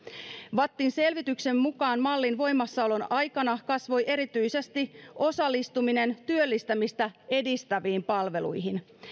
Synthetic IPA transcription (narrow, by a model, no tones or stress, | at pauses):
ʋɑt̪ːinse̞lʋit̪ykse̞mːukɑːnmɑlːinʋo̞jmːɑsːɑolo̞nɑjkɑnɑkɑsʋo̞jʔe̞ɾit̪yjse̞st̪iʔo̞sɑlːist̪umine̞nt̪yølːist̪æmist̪æe̞dist̪æʋiːmpɑlʋe̞lṵjɦin